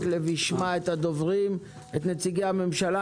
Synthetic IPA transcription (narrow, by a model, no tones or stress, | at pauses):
tleviʃmaet̪had̪o̞vʁim | e̞t̪net͡siɡeame̞mʃala